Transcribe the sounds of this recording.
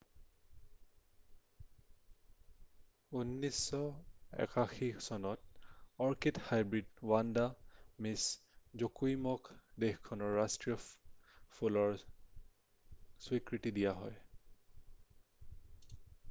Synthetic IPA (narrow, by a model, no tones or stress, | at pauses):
unːisɔɛ̰kaxisɔnɔtɔɹkithajbɹidwandamis | zokujmɔkdexkʰɔnɔɹːastɹiɔ | pʰulɔɹ | swikɹitidijaɦɔj